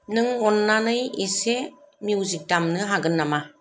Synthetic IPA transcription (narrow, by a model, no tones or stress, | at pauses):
nɯŋɔnːanɯjese | mjuwzik̚damnɯɦaɡɯnːama